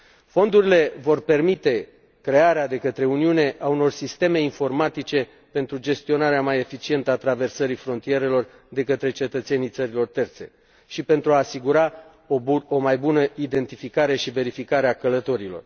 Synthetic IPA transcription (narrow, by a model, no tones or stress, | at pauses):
fo̞nd̪uɾile̞vo̞rpe̞rmit̪e̞ | kɾe̞aɾead̪e̞kət̪ɾe̞uniune̞ʔauno̞rsist̪e̞me̞info̞rmat̪it͡ʃe̞ | pe̞nt̪ɾud͡ʒe̞st̪io̞naɾeamaje̞fit͡ʃie̞nt̪əat̪ɾave̞rsəɾifɾo̞nt̪ije̞ɾe̞lo̞r | d̪e̞kət̪ɾe̞t͡ʃe̞t̪ət̪se̞nijt̪səɾilo̞rt̪e̞rt̪se̞̰ | ʃipe̞nt̪ɾuaːsiɡuɾa | omajbunəid̪e̞nt̪ifikaɾe̞ʃive̞ɾifikaɾeakələt̪o̞ɾilo̞̰r